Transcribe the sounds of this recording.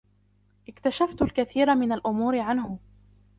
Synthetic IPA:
ʔɪkt̪aʃaft̪lkaθiːɾamɪnalʔʊmuːɾɪʕanhʊ

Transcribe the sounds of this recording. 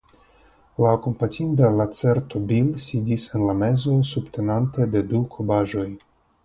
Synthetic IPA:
lako̞mpatʰʲind̪alat͡seɾt̪obilsidisenlame̞zo̞subt̪ʰe̞nante̞d̪e̞dukʰobaʒo̞j

